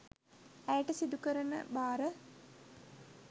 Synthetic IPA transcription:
æjəʈəsid̪ukəɾənə̰baːɾə

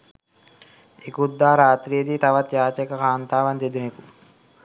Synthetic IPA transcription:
ekud̪ːaːɾaːt̪ɾijɐd̪iːt̪ɐʋɐt̪jaːt͡ʃɐkɐkʰaːnt̪aːʋɐnd̪ed̪uneku

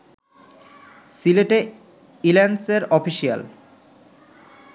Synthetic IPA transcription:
sileʈe | ilenseɾɔfiʃia̰l

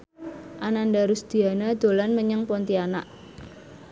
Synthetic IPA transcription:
ʔanandaɾusd̪̥i̤anad̪̥o̤lanməɲəŋpɔnt̪iana̰ʔ

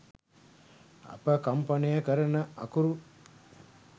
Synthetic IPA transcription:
ɐ̰pɐkɐmpɐnijɐkɐɾɐnɐɐ̰kuɾu

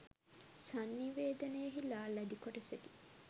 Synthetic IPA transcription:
sanːiʋeːd̪ɐnejɐɦilaːlæd̪ikoʈɐseʈi̥

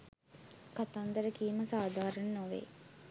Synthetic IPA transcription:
kat̪and̪əɾəkiːməsaːd̪aːɾɐnːoʋḛː

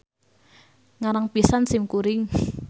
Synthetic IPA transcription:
ŋaɾaŋpisansɪmkuɾɪŋ

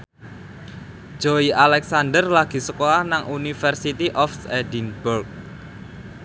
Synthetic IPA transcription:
d͡ʒ̥oiʔalɛksand̪ərlaɡ̥i̤səkoahnaŋʔunifərsit̪iʔɔfsɛdinburk̚

